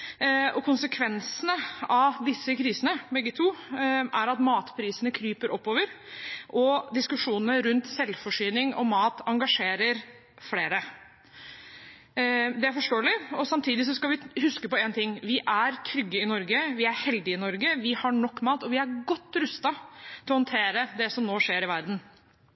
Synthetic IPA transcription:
ɔkʰʊnsəkʰʋɛnsənəɑd̪ɪsːəkʰɾiːsənəbɛɡːət̪ʰuːʔæɾɑt̪mɑːt̪pʰɾiːsənəkʰɾyːpəɾʔɔpːoːʋəɾ | ʔɔd̪ɪskʉʂuːnənəɾʉnt̪sɛlfɔʂyːnɪŋɔ̰mɑːt̪ɑŋɡɑʂeːɾəɾ | fleːɾə | d̪ɛæɾfɔʂʈoːəlɪɔsɑmt̪ʰiːd̪ɪs̬ɔskɑʋɪhʉskəpɔɛːnt̪ɪŋːʋɪʔæɾt̪ʰɾʏɡːəɪnɔɾɡəʋɪæɾhɛld̪ɪɪnɔɾɡəʋɪhɑɳɔkːmɑːt̪ɔʋɪæɾɡɔt̪ːɾʉst̪ɑt̪ʰɪlɔhɔnt̪ʰeːɾəd̪ɛsɔmnoːʂeːɾɪʋæɾd̪n̩

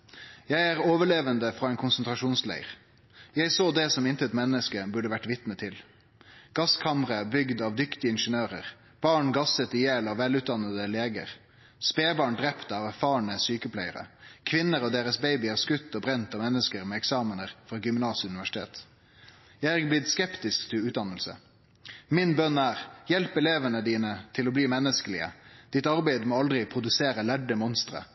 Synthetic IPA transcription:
jæɪæːʁoːʋəɭeːʋənd̪əfʁɑːɛɪnkʰʊnsənt̪ʁɑʃuːnslæ̰ɪəʁ | jæɪsoːd̪ɛsɔmɪnt̪əɛt̪mɛnːəskəbʉɖəʋæʈʋɪt̪mət̪ʰɪl | ɡ̥ɑskʰɑməʁəbʏɡd̪ɑʋd̪ʏkt̪ɪɪnʃənøːʁəʁ | b̥ɑːɳɡɑsət̪ɪjeːlɑʋʋɛlʉːt̪d̪ɑnːəd̪əleːɡə̰ʁ | speːbɑːɳɖɾɛpt̪əɑːʋæɾfɑːɳəsyːkəpʰlæɪəɾə̰kʰʋɪnːəʁɔd̪eːʁəsbeɪbɪæːʁskʉt̪ːɔbɾɛnt̪ɑːmɛnːəskəʁmɛːɛksɑːmənəʁfʁɑːɡʏmnɑːsɪʉnɪʋæʂɪ̥t̪ʰḛːt̪ | jææɡblɪd̪skɛpt̪ɪskt̪ʰɪlʉːt̪d̪ɑnəlsə̰ | mɪnbœnːæːʁjɛlpɛleːʋənəd̪iːnət̪ʰɪloːbliːmɛnːəskəlɪ̰ə̰d̪̥ɪt̪ɑʁbæɪd̪moːɑld̪ɾɪpʰɾʊd̪ʉseːɾəlæɖəmɔnst̪ɾə̰

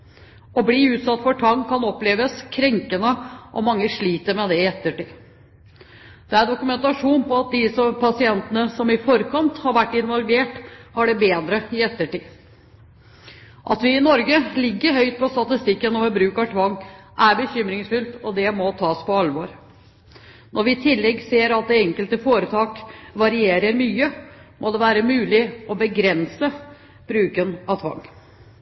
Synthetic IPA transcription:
ɔbliʉːt̪sɑt̪ːfɔʈʰɑŋkʰːɑnɔpleːʋəskʰɾɛŋkənəʔɔ̰mɑŋːəʂɭiːt̪əɾmɛd̪ɛɪɛt̪ːəʈiː | d̪̥ɛæɾɖʊkʉmɛnt̪ɑʂuːnpɔɑt̪̚d̪ɪsɔmpʰɑsɪɛnt̪ənəsɔmɪfɔɾkʰɑnt̪hɑɾʋæʈːɪnʋɔlʋeːʈhɑɖɛbeːd̪ɾəɪɛt̪ːəʈiː | ʔɑ̰t̪ʋɪɪnɔɾɡəlɪɡːəɾɦœʏt̪̚pʰɔst̪ɑt̪ɪst̪ɪkːənɔʋbɾʉːkɑʈʰʋɑŋːʔæɾbəçʏmɾɪŋsfʉlt̪ɔd̪ɛmɔt̪ʰɑːspɔɑlʋoːɾ | nʔɔɾʋɪt̪ʰɪlːɛɡːseːɾɑt̪̚d̪ɛɛŋkəlt̪əfoːɾət̪ʰɑːkʋɑɾɪeːɾəɾmyːəmʔɔd̪ɛʋæːɾəmʉːlɪɔbəɡɾɛnsə | b̥ɾʉːkənɑʋt̪ʰʋɑ̰ŋː

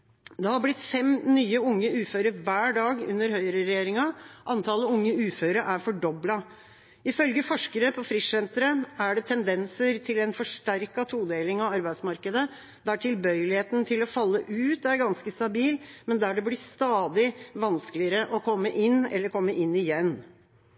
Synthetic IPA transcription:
d̪ɛhɑɾblɪt̪fɛmnyːəʊŋːəʉːføːɾəɾʋæːɖɑːɡʉ̰nːəɾhœʏəɾəɾɛjeːɾɪŋɑʔɑnt̪ʰɑːləʊŋːəʉːføːɾəɾʔæɾfɔɖɔblɑ | ɪfœlɡəfɔʂkəɾəpʰɔfɾɪssɛnt̪ɾəæɖɛt̪ʰɛnd̪ɛnsəɾt̪ʰɪlɛnfɔʂʈæɾkɑt̪ʰuːd̪eːlɪŋɑʋɑɾbæɪd̪smɑɾkəd̪ə | d̪æʈʰɪlbœʏəlɪheːt̪ənt̪ʰɪlɔfɑlːəʔʉːt̪æɾɡɑnskəst̪ɑbiːlmɛnd̪æɖɛblɪst̪ɑːd̪ɪʋɑnsklɪəɾəʔɔkʰɔmːəʔɪnːɛ̰lːəɾkʰɔmːəʔɪnːɪjɛnː

